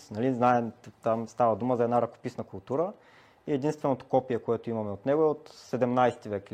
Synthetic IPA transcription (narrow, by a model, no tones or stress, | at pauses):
nɐliznaɛmt̪amst̪avɐd̪uməzɐɛd̪naɾɐko̥pisnəkʊlˠt̪uɾə | iɛd̪inst̪vɛnot̪o̥kɔpijɛkoɛt̪oimɐmɛot̪nɛɡoɛot̪sɛd̪ɛmnajsɛ̥t̪ivɛk